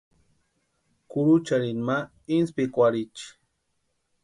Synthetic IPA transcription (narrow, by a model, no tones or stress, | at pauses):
kʊɾut͡ʃaɾinma | inspikwaɾit͡ʃi̥